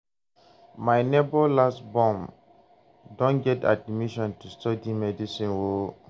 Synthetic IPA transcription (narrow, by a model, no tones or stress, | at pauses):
maɪnebolastbɔ̃m | dɔ̃nɡɛta̰dnimiʃɔ̃ntustɔdimɛdisĩnwo